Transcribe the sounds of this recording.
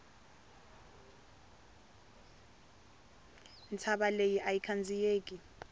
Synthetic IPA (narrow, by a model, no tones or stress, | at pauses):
ntʰaɓalejiʔajikʰand͡zʱijeːk̬ʼi